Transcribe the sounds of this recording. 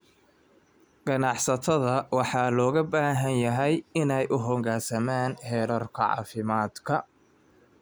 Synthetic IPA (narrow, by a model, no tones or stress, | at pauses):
ɡ̥ɐnɑħsɐt̪ʰɐðɐwɑħɑːlɔːɣɐbaːɦɐnjɐɦɛjɪnɛjʔʊɦɔŋɡaːrsɐmaːnhɛːɾɔːrkʰɐʕɑ̰ːfɪmaːd̪kʰɐ